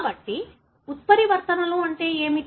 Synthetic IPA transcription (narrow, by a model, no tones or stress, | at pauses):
bɐʈːi | ut̪̚pɐɾiʋɐɾt̪ɐnɐluɐɳʈe̞ːeːmi